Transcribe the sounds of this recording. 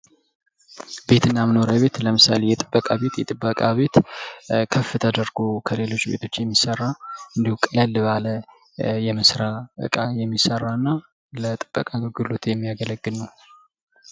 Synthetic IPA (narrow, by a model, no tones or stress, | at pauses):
be̞t̪ʰɨnːaməno̞ɾəβe̞t̪ləmɨsa̰le̞jɛt̪ʼɨbːəkʼaβe̞t̪jɛt̪ʼɨbːəkʼaβe̞t̪kʰəfːɨt̪ʰəd̪əɾɡokʰəle̞lo̞t͡ʃːbe̞̰t̪ʰo̞t͡ʃːjɛmːisərːaɨnd̪ihukʼɨləlːɨβalə | jɛməsɾaɨ̰kʼajɛmːisərːanːa | lət̪ʼɨb̥ːəkʼaɡɨɡɨlot̪jɛmːijaɡələɡːɨlnəw